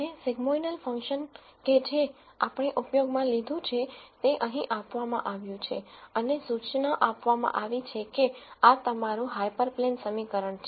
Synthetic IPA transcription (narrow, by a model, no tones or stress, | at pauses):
neseɡmoinəlfə̃ŋkʃənked͡ʒe | apɳeʔʊpjoɡmãlid̪ʱũt͡ʃʰet̪eʔəɦĩʔapʋamã̰ʔaʋjũt͡ʃʰeənesut͡ʃnaʔapʋamã̰ʔaʋit͡ʃʰekeat̪əmaɾũɦajpəɾplensəmikəɾəɳt͡ʃʰe